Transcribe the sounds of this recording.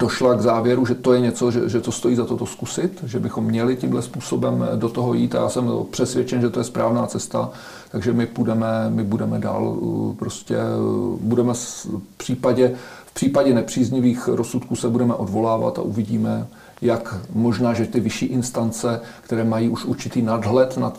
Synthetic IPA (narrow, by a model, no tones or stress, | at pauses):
do̞ʃlaɡzaːvjɛɾuʒɛt̪o̞jɛɲɛt͡so̞ʒɛ̰ʒɛt̪ost̪o̞jiːzat̪ot̪o̞skusɪt̪ʒɛbɪxomːɲɛlɪcɪmɦlɛspuːso̞bɛmdot̪oɦo̞jiːt̪a̰ja̰ːsɛmpr̝̥ɛsvjɛt͡ʃɛnʒɛt̪ojɛspɾaːvnaːt͡sɛst̪a̰ | t̪aɡʒɛmɪpudɛmɛmɪbudɛmɛda̰ːlpɾoscɛ̰budɛmɛspr̝̥iːpaɟɛfpr̥iːpaɟɛnɛpr̝̥iːzɲɪviːxɾosut̪kuːsɛbudɛmɛʔo̞dvo̞laːva̰t̪a̰ʔuvɪɟiːmɛ | jakmo̞ʒnaːʒɛt̪ɪvɪʃiːʔɪnst̪ant͡sɛkt̪ɛɾɛːmajiːʔuʃuɾt͡ʃɪt̪iːnadɦlɛt̪nat̪